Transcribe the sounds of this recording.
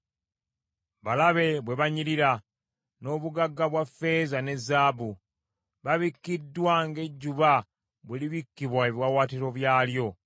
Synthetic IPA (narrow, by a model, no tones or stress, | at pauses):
βalaβe̞βwe̞βaɲiɾiɾa | no̞ːβuɡaɡːaβwafːe̞ːzane̞zːaːbu | βaβikːidːwaŋɡe̞ɟːuβa | βweliβikːiβwaeβjwawaːtiɾo̞βjaːljo̞